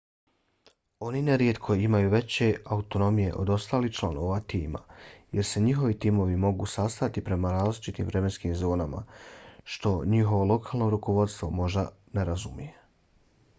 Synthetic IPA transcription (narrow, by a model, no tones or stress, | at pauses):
o̞nineɾje̞t̪kʰo̞imajuʋe̞t͡ɕe̞aut̪o̞no̞mije̞̰ʔo̞̰d̪o̞st̪aːliht͡ʃlˠanoʋat̪iːma̰je̞ɾse̞ɲiɦo̞ʋit̪iːmo̞ʋimo̞ɡuːsast̪at̪ipɾe̞maɾaːzlit͡ʃit̪ḭːmvɾe̞me̞nskiːmzo̞ːnama̰ʃt̪o̞ɲiɦo̞ʋo̞lˠo̞kʰaːlˠno̞ɾuko̞ʋo̞d̪st̪ʋo̞mo̞ʒd̪a | ne̞ɾazumije